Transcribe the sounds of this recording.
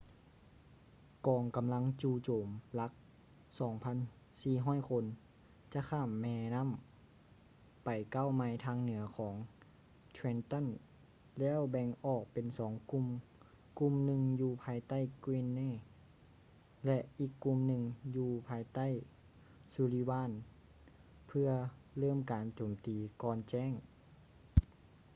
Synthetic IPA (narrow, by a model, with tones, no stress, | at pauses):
kɔː˨˩ŋka˨mla˧˥ŋt͡ɕuː˧t͡ɕoː˨˩mla˧˥k̚ | sɔː˩˦ŋpʰa˧˥˨n | siː˧˩ɦɔː˥˨jkʰo˧n | t͡ɕa˧kʰaː˧˥˩mːɛː˧na˧˥˨m | pa˨˩jka˧˥˨wma˧˥jt̪ʰaː˧ŋnɯ˨˩˦ɐkʰɔː˩˦ŋ | t̪ʰwɛ˧nt̪ɔ˧˥˨n | lɛː˧˥˨wbɛ˧ŋʔɔː˨˩k̚pe˨nsɔː˨˩˦ŋku˧m | ku˧˥mnɯ˧ŋjuː˧pʰaː˧˥jt̪a˥˨jkwi˧˥nːeː˧˥˨ | lɛ˧ʔʔiː˨˩kːu˧mnɯ˧ŋjuː˧pʰaː˧˩jt̪a˥˨j | suː˧liː˧˩baː˧˥˨n | pʰɯ˧ɐlɤː˥˨mkaː˨nt͡ɕoː˨˩mt̪iː˨˩kɔː˧nt͡ɕɛː˧˥˨ŋ